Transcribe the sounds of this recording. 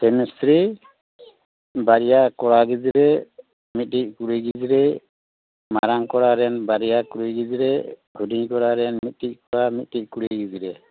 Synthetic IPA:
kɛmɛstɾi | baɾijakɔɽaɡid͡ʒiɾɛ | mit̪̚ʈic̚kuɾiɡid͡ʒiɾɛ | maɾaŋkɔɾaɾɛnbaɾijakuɾiɡid͡ʒiɾɛhudiɲkɔɽaɾɛnmit̪̚ˀʈic̚kɔɽamit̪̚ʈit̚kuɾiɡid͡ʒiɾɛ

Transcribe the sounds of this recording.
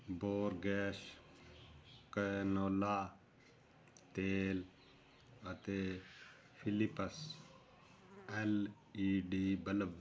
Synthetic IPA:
boːɾɡeːʃ | kənoːlaː | t̪eːl | ɐt̪e | fʰilipəs | el | iːɖiːbələb

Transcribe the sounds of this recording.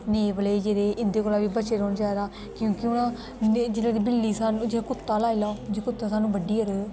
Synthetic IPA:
neːbəleːd͡ʒeːɾeːʔɪnd̪eːkoːlaːbiːbət͡ʃeːɾɔːnd͡ʒaːed̪aː | kjõːkɪʊnãː | d͡ʒɪnãːd̪iːbɪlːiːsaːnũːd͡ʒeaːkʊt̪ːaːlaːilaːd͡ʒeːkʊt̪ːaːsaːnũːbəɖiːəɾ

